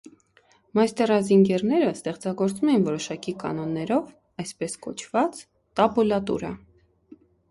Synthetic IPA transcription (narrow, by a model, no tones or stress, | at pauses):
mɑjst̪ɛrɑziŋɡɛrnɛɾəst̪ɛχt͡sɑɡɔɾt͡sumɛjinvɔɾɔʃɑkikɑ̰nɔnːɛɾɔv | ɑjspɛskɔ̰t͡ʃʰvɑt͡s | t̪ɑbulɑt̪ṵɾə̰